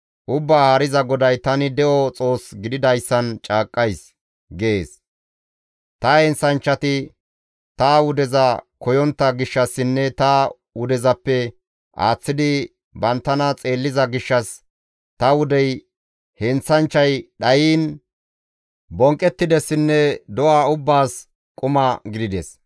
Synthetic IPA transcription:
ʔʊbːaːhɐɾɪzɐɡɔd̪ɐjt̪ɐnɪd̪ɛʔɔt͡sʼo̞ːsɡɪd̪ɪd̪ɐjsːɐnt͡ʃʼaːkʼːɐjs | ɡeeːs | t̪ɐhɛnsɐnt͡ʃːɐt̪ɪ | t̪ɐwʊd̪ɛzɐkɔjɔnt̪ːɐɡɪʃːɐsːɪnːɛt̪ɐ | wʊd̪ɛzɐpːɛ | ʔa̰ːt͡sːɪd̪ɪ | bɐnt̪ːɐnɐt͡sʼe̞ːlːɪzɐɡɪʃːɐs | t̪ɐwʊd̪ɛj | hɛnsɐnt͡ʃːɐjɗɐjiːn | bɔŋkʼːɛt̪ːɪd̪ɛsːɪnːɛd̪ɔwaːʊbːaːs | kʼʊmɐɡɪd̪ɪd̪ɛs

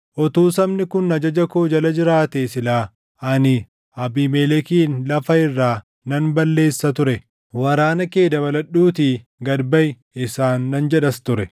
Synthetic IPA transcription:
ʔɔt̪uːsɐmnɪkʊnːɐd͡ʒɐd͡ʒɐkoːd͡ʒɐlɐd͡ʒɪɾaːt̪eːsɪlaː | ʔɐnɪ | ʔɐbiːmɛlɛkiːnlɐfɐɪrːaː | nɐnbɐlːe̞ːsːɐt̪ʊɾɛ | wɐɾaːnɐke̞ːd̪ɐβɐlɐɗːuːt̪iː | ɡɐd̪bɐj | ɪsaːnːɐnd͡ʒɛᶑɐst̪ʊɾɛ

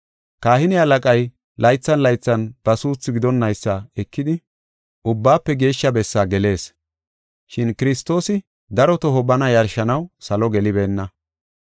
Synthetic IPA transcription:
kaːhɪnɪɐlɐkʼɐj | lʔɐjt͡sːɐnlɐjt͡sːɐnb̥ɐsuːt͡sːɪɡɪd̪ɔnːɐjsːɐɛkːɪd̪ɪ | ʔʊbːaːpːɛɡe̞ːʃːɐbɛsːaːɡɛle̞ːs | ʃɪnkɪɾɪst̪ːo̞ːsɪ | d̪ɐɾɔt̪ɔɦɔbɐnɐjɐɾʃɐnɐwsɐlɔɡɛlɪbeːnːɐ

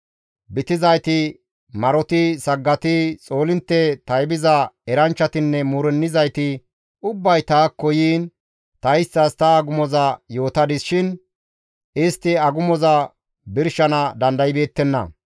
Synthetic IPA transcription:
bɪt̪ɪzɐjt̪ɪ | mɐɾɔt̪ɪsɐɡːɐt̪ɪt͡sʼo̞ːlɪnt̪ːɛt̪ɐjbɪzɐɛɾɐnt͡ʃːɐt̪ɪnːɛmuɾɛnːɪzɐjt̪ɪ | ʊbːɐjt̪aːkːɔjiːn | t̪ɐjɪst̪ːɐst̪ɐːɡʊmɔzɐjo̞ːt̪ɐd̪ɪsʃɪn | ɪst̪ːɪɐɡʊmɔzɐ | bɪɾʃɐnɐd̪ɐnd̪ɐjɪbe̞ːt̪ːɛnːɐ̰

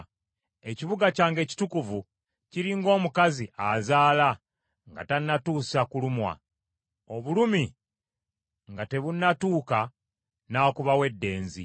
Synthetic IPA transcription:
e̞ciβuɡacaːŋɡe̞ːci̥tukuvu | ciɾiŋɡo̞ːmukaziʔazaːla | ŋɡa̰tanːatuːsakulumwa̰ | o̞βulumi | ŋɡate̞βunːatuːka | naːkuβawe̞dːe̞ːnzḭ

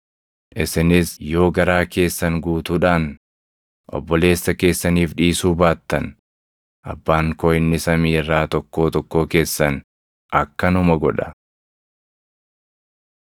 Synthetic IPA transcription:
ʔɪsɪnɪsjo̞ːɡɐɾaːke̞ːsːɐŋɡuːt̪uːᶑaːn | ʔɔ̰bːɔle̞ːsːɐke̞ːsːɐniːfᶑiːsuːbaːt̪ːɐn | ʔɐ̰bːaːŋkɔːjɪnːɪsɐmiːɪrːaːt̪ɔkːo̞ːt̪ɔkːo̞ːke̞ːsːɐn | ʔɐkːɐnʊmɐɡɔᶑɐ̥

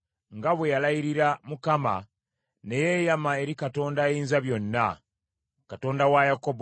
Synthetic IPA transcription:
ŋɡaβwejalajiɾiɾamukama̰ | ne̞jejamae̞ɾikato̞ːndajiːnzaβjo̞nːa | kato̞ːndawajakob

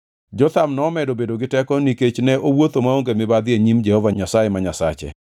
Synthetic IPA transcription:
d͡ʒɔt̪amnɔːmɛdobedoɡɪtɛkɔniket͡ʃnɛʔowot̪omaoŋɡemɪbad̪ɪeɲimd͡ʒɛhɔvaɲasajemaɲasa̰t͡ʃḛ

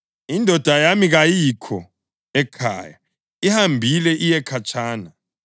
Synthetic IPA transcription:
indʱɔd̥ʱajamiɣajikʰɔ | ɛkʰa̰ːja | ihambʱilɛʔijɛkʰat͡ʃʰʼaːna

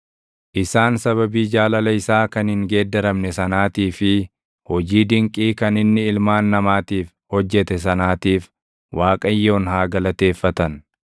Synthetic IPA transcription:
ʔɪsaːnsɐβɐbiːd͡ʒaːlɐlɐɪsaːkɐnhɪŋɡe̞ːd̪ːɛɾɐmnɛsɐnaːt̪iːfɪ | hɔd͡ʒiːd̪ɪŋkʼiːkɐnɪnːɪɪlmaːnːɐmaːt̪iːf | hɔd͡ʒːɛt̪ɛs̬ɐnaːt̪iːf | wʔaːkʼɐjːo̞ːnhaːɡɐlɐt̪e̞ːfːɐt̪ɐn

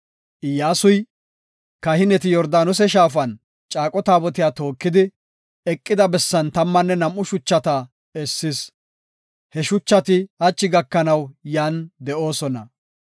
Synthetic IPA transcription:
ʔɪjːaːsʊj | kɐhɪnɛt̪̬ɪjɔɾd̪aːnɔs̬ɛʃ̬aːfɐn | t͡ʃʼaːkʼɔt̪aːbɔt̪ɪjaːt̪o̞ːkːɪd̪ɪ | ɛkʼːɪd̪ɐbɛsːɐnt̪ɐmːɐnːɛnɐmʔːʊʃʊt͡ʃːɐt̪ɐ | ɛsːɪs | hɛʃʊt͡ʃːɐt̪ɪhɐt͡ʃʼːɪɡɐkːɐnɐwjaːnd̪ɛʔo̞ːsɔnɐ

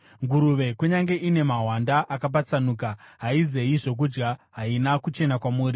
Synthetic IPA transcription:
ŋɡuɾuʋe̞kuɲaŋɡe̞ʔine̞maɦwandaʔakap̬at͡sanuːkaɦaize̞iʐo̞k̬ud͡ʒɡaɦainakut͡ʃe̞nakwamuːɾi

